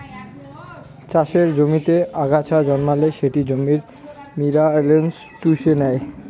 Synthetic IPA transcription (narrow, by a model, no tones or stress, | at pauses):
t͡ɕaʃeɾd͡ʑomit̪eaɡat͡ɕʰad͡ʑɔnmaleʃeʈid͡ʑomiɾ | miɾalensʈuʃenɛe